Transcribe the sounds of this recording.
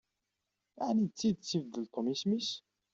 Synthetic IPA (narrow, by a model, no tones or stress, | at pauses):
aʕnid̪t͡sːid̪t͡sːivd̪ːəlt̪ˤːomismis